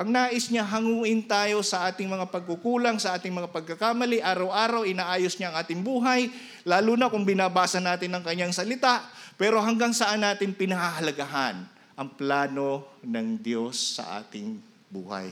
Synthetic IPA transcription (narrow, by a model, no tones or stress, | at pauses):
ʔɐŋnaːʔɪsɲaɦɐŋuːʔɪnt̪aːjo̞sɐʔaːt̪ɪŋmɐŋapɐɡ̚kukuːlaŋsɐʔaːt̪ɪŋmɐŋapɐɡ̚kɐkaːmɐlɪʔaːɾɐwʔaːɾɐwʔɪnaːʔaːjosɲaʔɐŋʔaːt̪ɪŋbuːɦaj | laːluːnɐkʊŋbɪnaːbaːsɐnːaːt̪ɪnɐŋkɐɲːaŋsɐlɪt̪aʔpɛːɾo̞ɦɐŋɡaŋsɐʔanːaːt̪ɪnpɪnɐhaɦɐlɐɡaɦan | ʔɐŋplaːno̞nɐŋd̪jo̞sːɐ̰ʔa̰ːt̪ɪŋ | bṵːha̰j